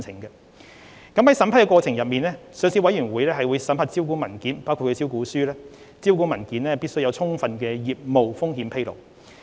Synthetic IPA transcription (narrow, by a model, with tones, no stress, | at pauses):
t͡sʰɪ˨˩ŋɡɐ˧ | kɐ˨˥mhɐ˨˥jsɐ˨˥mpʰɐ˥kɛ˧kɔː˧t͡sʰɪ˨˩ŋjɐ˨p̚miː˨nlɛː˥sœː˨ŋsiː˧wɐ˨˥jy˨˩nwuː˨˥jlɛː˥ɦɐ˨jwu˨˧jsɐ˨˥mʰɐ˨˧t̚t͡si˥wkuː˨˥mɐ˨˩nkiː˨˥npaː˥wkʰu˨kʰːt͡ssiː˥wkuː˨˥syː˥lɛː˥ | t͡si˥wkuː˨˥mɐ˨˩nkiː˨˥nlɛː˥piː˥t̚sɵ˥ɥjɐ˧wt͡sʰʊ˥ŋfɐ˨nkɛː˧jiː˨˩p̚mo˨wfʊ˥ŋhiː˨˥mpʰe˥jlo̰˨˩w